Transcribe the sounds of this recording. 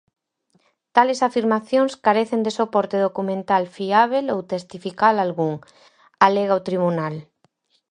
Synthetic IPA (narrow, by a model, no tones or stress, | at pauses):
t̪alesafiɾmaθjõŋskaɾeθend̪esopɔɾt̪eðokumẽnt̪alfiaβ̞elowt̪est̪ifikalalɣuŋ | aleɣaot̪ɾiβunal